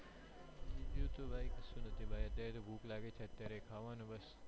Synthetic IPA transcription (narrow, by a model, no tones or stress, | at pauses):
d͡ʒid͡ʒjut̪obʱajkəsũnət̪ʰibʱajət̪jaɾet̪obʱuklaɡet͡ʃʰeət̪jaɾekʰaʋanũbəs